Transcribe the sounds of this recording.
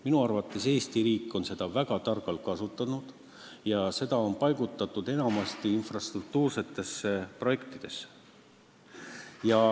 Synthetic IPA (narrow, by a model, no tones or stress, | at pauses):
minuɑrvɑt̪ːˑe̞se̞ːst̪iɾiːkːˑo̞nse̞d̪̥ɑvæɡ̥ɑt̪ɑrɡɑlkɑsut̪ːˑɑnud̪̥ | jɑse̞d̪̥ɑo̞npɑjɡ̥ut̪ːˑɑt̪ːˑud̪̥e̞nɑmɑst̪iinfrɑst̪ruk̚t̪uːrse̞t̪ːˑe̞sːepro̞je̞kt̪id̪̥e̞se | jɑ